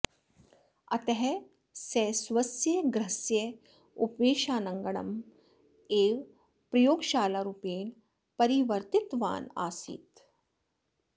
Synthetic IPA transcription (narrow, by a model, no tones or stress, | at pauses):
ɐt̪eɦɛ | sɛːsʋɐsjɐɡɾɐsje | upeːʃaːnɐŋɡɐɳɐ̰m | eːʋ | pɾɐjoːɡʃaːlaɾupeːn | pɐɾiʋɐɾt̪ɪt̪ʋa̰ːna̰ːsḭːt̪